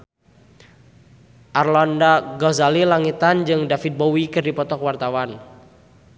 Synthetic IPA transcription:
ʔarlɔndaɡɔzalilaŋit̪and͡ʒɨŋdafit̪̚bɔwikɨrdipɔt̪ɔkwart̪awan

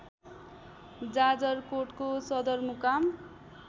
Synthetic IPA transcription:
d͡zad͡zʌrkoʈkosʌd̪ʌrmukam

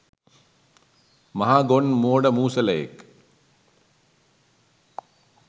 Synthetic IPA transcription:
mɐɦaːɡonmoːɽɐmuːsɐlɐḛk

